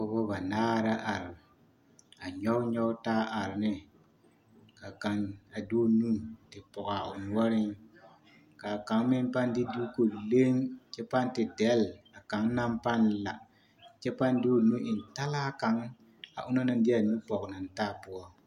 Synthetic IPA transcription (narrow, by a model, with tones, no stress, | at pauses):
ɔ˦bɔ˦ba˨naː˦ɾa˦ʔa˨ɾ | a˨ɲɔ˦wɲɔ˦taː˦ʔa˨ɾnɪ˦ | ka˨ka˨na˨du˦nu˦tɪ˨pɔ˨ka˨ʊ˨n˨wɔ˦ɾɪ˦ŋ | ka˨ka˨ŋmɪ˦mpa˦ndɪ˦du˦ko˨le˦ŋt͡ʃɛ˦pa˦ntɪ˨dɛ˨˦la˨ka˨˦ŋna˦mpa˦n˨la˨ | t͡ʃɛ˦pa˦ndu˦˨nu˦ʔɪ˨n˨ta˦la˦ka˨˦ŋ | a̰˨ʔʊ˦na˦na˨ndɪ˦a˨nu˦pɔ˨kna˨nta˦˨pu˦ɔ˦